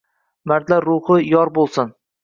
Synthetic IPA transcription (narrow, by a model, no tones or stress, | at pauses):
maɾd̪laɾʊhɨjɒɾbolˠsɪn